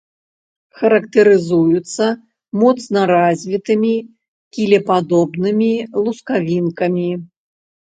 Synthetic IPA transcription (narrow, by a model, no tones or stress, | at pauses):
xɐɾɐkt̪ɨɾɨzujut̪sːɐ | mɔt̪snɐɾazʲvʲit̪ɨmʲi | kʲilʲɛpad̪ɔbnɨmʲilˠuskavʲinkɐmʲi